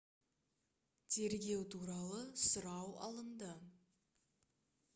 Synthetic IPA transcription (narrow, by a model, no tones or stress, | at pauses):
t̪ʰe̞ɾɡʲe̞wt̪ʰuɾɑlˠəsʊɾɑwɑ̰lˠəmd̪ə